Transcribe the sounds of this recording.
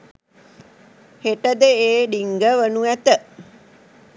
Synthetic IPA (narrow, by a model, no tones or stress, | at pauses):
heʈəd̪əeːɖiŋɡəʋənuæt̪ə